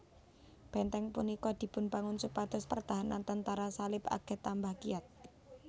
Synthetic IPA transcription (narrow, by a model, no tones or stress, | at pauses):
b̥ɛnt̪ɛŋpunikɔd̪̥i̤pʊnpaŋʊnsupat̪ʊspərd̪̥aɦana̰nt̪ənt̪aɾasalɪpa̰ɡ̥ɛ̤t̪ːambahkiat̪̚